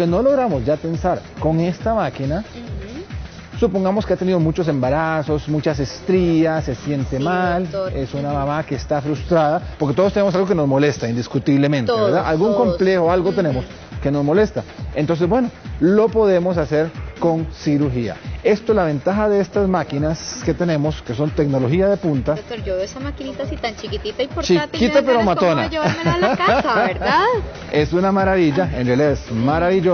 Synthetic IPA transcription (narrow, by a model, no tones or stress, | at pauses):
keno̞lo̞ɣɾamozd͡ʒat̪e̞nsaɾko̞ŋe̞st̪amakina | supoŋɡamoskeat̪e̞niðomut͡ʃo̞s̬e̞mbaɾaso̞smut͡ʃas̬e̞st̪ɾiase̞sje̞nt̪e̞male̞sunamamakeːst̪afɾust̪ɾaðapoɾket̪oost̪enemosalɣɡokeno̞zmo̞le̞st̪aind̪iskut̪iβle̞mẽnt̪eeβeɾd̪aʔalɡuŋko̞mple̞xoalɡot̪e̞ne̞mo̞s | ke̞no̞zmo̞le̞st̪aent̪o̞nsebwe̞no̞lo̞po̞ðe̞mo̞s̬ase̞ɾko̞nsiɾuɾxia̰e̞st̪oelaβe̞nt̪axaðe̞est̪azmakinaske̞t̪e̞ne̞mo̞ske̞so̞nt̪e̞ɡno̞lo̞xiaðe̞punt̪at̪oɾd͡ʒooesamakinit̪asit̪ant͡ʃikit̪it̪aipɾt͡ʃikit̪apeɾomat̪ona | aeɾa | esunamaɾaβiʝaenrealiðaesmaɾaβiʝo